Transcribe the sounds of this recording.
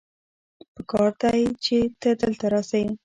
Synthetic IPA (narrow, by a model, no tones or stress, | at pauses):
pəkɑɾd̪ait͡ʃet̪əd̪əlt̪aɾɑsawi